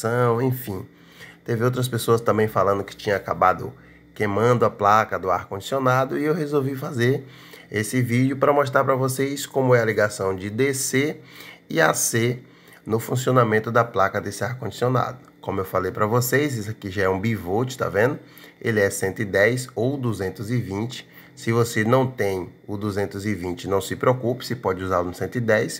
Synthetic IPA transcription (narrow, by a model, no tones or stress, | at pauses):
sɐ̃w̃ẽfĩ | t̪evɪowt̪̬ɾɐs̬pesoɐst̪ɐ̃mbẽj̃falɐ̃nd̪ʊkɪ̥t͡ʃĩɲɐakabad̪ʊ̰ | kemɐ̃nd̪ʊɐplakɐd̪ʊaɾkõnd͡ʒi̥sionad̪ʊiewhezowvifazeɾ | esɪvid͡ʒʊpɾɐmoʃt̪ɾaɾpɾɐvosejskõmʊɛɐliɡasɐ̃w̃d͡ʒɪd̪eseɪase | nʊfũsiõnamẽnt̪ʊd̪ɐplakɐd̪esaɾkõd͡ʒisiona̰d̪ʊkõmʊewfalejpɾɐvosejzis̬akiʒaɛũbivot͡ʃɪ̥ʃt̪a̰vẽnd̪ʊ | elɪɛsẽnt̪ʊɪd̪ɛjsowd̪uzẽnt̪ʊzɪvĩt͡ʃɪ̥ | sɪvosenɐ̃w̃t̪ẽj̃ʊd̪uzẽnt̪ʊzɪvĩnt͡ʃɪnɐ̃w̃sɪpɾeokupɪ̥sepɔd͡ʒɪuzalʊnʊsẽnt̪ʊɪd̪ɛjs